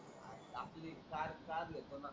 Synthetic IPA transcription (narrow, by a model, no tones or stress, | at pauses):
a̰ | aplikaɾkaɾjet̪ona